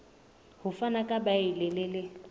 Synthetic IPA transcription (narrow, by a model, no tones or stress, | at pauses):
hʊfanakʼabaɪlɪlɪlɪ